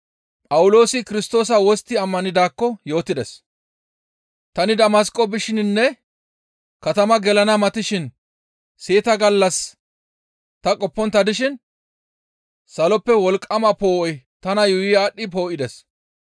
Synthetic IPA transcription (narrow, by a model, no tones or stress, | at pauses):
pʼɐwʊlo̞ːsɪkɪɾɪst̪o̞ːs̬ɐwɔst̪ːɪɐmːɐnɪd̪aːkːɔjo̞ːt̪ːɪd̪ɛs | t̪ɐnɪd̪ɐmɐs̬kʼɔbɪʃɪnnːɛ | kɐt̪ɐmɐɡɛlɐnɐmɐt̪ɪʃɪn | seːt̪ɐɡɐlːɐs | t̪ɐkʼɔpːɔnt̪ːɐd̪ɪʃɪn | sɐlɔpːɛwɔlkʼːɐmɐpo̞ːʔɔjt̪ɐnɐjʊjɪaːɗːɪpo̞ːʔɪd̪ɛs